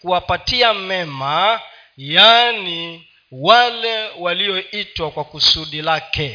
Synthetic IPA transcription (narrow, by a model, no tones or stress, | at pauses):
kuwapatiamɛma | jani | walɛwaliɔitwakwakusuɗilakɛ